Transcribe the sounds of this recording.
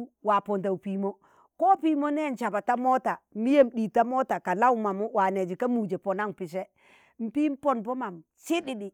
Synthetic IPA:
wa˨pɔ˨nt̬a˨u˨piː˨mo˦ | ko˦pi˦mo˦nɛ˦˨n˨t͡ʃa˨ba˨ta˦mo˦ta˨mi˦je˦mɗi˨ta˦mo˦ta˨ka˨la˦wu˦ma˨mu˦wa˨ne˨d͡ʒi˨ka˦mu˨d͡ʒe˨pɔ˨na˦npi˨s̬ɛ˦ | m̩˨pi˦m˦pɔ˨npo˦ma˨m | si˦ɗi˨ɗi˨

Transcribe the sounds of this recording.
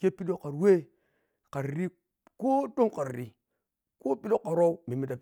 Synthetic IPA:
ke˦pi˦lo˦ka˨ɾwe˦ | ka˨ɾɾi˦ | ko˦to˦mka˨ɾɾi˨ | ko˦pi˦lo˦ka˨ɾo˦me˨mi˨da˨

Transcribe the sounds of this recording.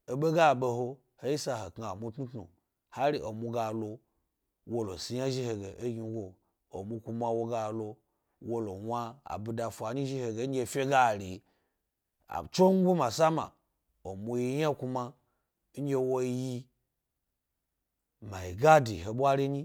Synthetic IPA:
e˨ɓe˦ɡa˦˨ɓe˧ho˧ | he˦i˦sa˧he˨kŋ˨a˨mu˧tnu˦tnṵ˨ | ha˦ɾi˦˨ʔo˨mu˧ɡa˨lo˧ | wo˦lo̰˨si˧ja˦ʒi˦he˨ɡe˨ʔe˦ɡi˧˦ɡʷo˨ | o̰˨mu˧ku˧ma˧wo˦ɡa˧lo˧ | wo˦lo˨wa˧a̰˨bu˧da˨fʷa˨ɲi˦ʒi˦he˨ɡe˨˦ɡʲe˦˧˨fʲe˦ɡa˦˨ɾi˨ | a̰˨t͡ʃo˦ŋ˦ɡʷu˦ma˨sa˦ma̰˨ | o˨mu˧ji˧ja˦ku˧ma˧˦ | ɡʲe˧wo˦ji˧ | ma˨ji˨ɡa˦dḭ˨ɦe˨ɓʷa˦ɾi˦ɲi˦

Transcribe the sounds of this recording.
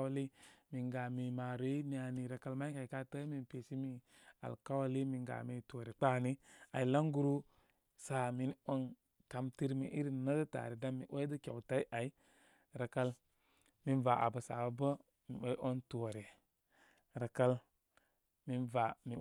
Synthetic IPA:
wa˦li˦mi˨nɡa˨mi˨ma˨ɾe˨˦mi˨˦a˨ni˨ɾa˨ka˦lma˦ka˨i˨ka˦tə˦mi˨npe˨ʃi˦mi˦ | a̰˨lka˦wa˦li˦mi˨ŋɡa̰˨mi˨tu˨ɾe˨k͡pa˦˨ni˦a˨i˨la˦ŋɡu˦ɾu˦ | sa˨mi˦n˦o˦n | ka˨mti˦ɾmḭ˨ʔi˦ɾi˦˨nə˦də˦ta̰˨ɾi˨da˦mḭ˨ʔo˦də˦kʲa˨wta˦i˦ʔa˨i˦ | ɾa˨ka˦l | mi˦nva˨ʔa̰˨bə˨sa̰˨˦bə˦ | mḭ˨wo˦ʔo˦ntu˨wa˨ɾe˨ | ɾa˨ka˦l | mi˦nva˨mi˨

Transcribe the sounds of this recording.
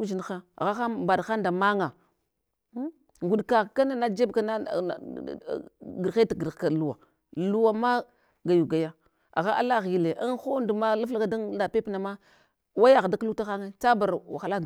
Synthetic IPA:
d͡ʒi˨n˨xa˦a̰˨ɣa˦xa˦ba˨dxa˦nda˨ma˦ŋa˨˦ | ŋɡu˨ɗka˨ka˦na˦na˦d͡ʒe˦bka˦na˦˨ | ɡə˨ɾxe˦a˨ɡi˨ɾka˨lu˦wa̰˨ | lu˦wa˨ma˦ | ɡa˨ju˨ɡa˨ja˦ | a̰˨ɣa˦ʔa̰˦la˦ɣi˨le˨ʔa˦nxo˦ndu˨ma˦la˦fla˦ka˦da˦ŋda˨pe˦pna˨ma˦ | wa˦ja˨ɣda˦ku˦ta˦xa˦ŋe˦t͡sa˦ba˨ɾwa˨xa˨la˦˨

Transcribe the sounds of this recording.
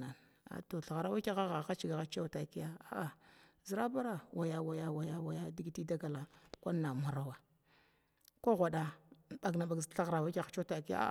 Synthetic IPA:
a˨n | a̰˨to˨ɬa˨ɣa˨ɾa˦wa˦ka˦ɣa˦ɣa˨xa˦t͡ʃi˨ɡa˨ɣa˦t͡ʃa˦wta˨˦ki˦ja˦a˦ʔa˨zi˨ɾa˦ba˦ɾa˦wʔa˨ja˦wa˨ja˦wa˨ja˦wa˨ja˦di˦ɡi˦ti˦da˦ɡa˨la˨kʷa˦nːa˨ma˨ɾa˦wa˨ | ko˦ɣʷa˨ɗa˨ɓa˨ɡna˨ba˨ɡɬa˦ɣɾa˨wa˦ka˦t͡ʃo˦ta˨˦ki˦ja̰˦˨

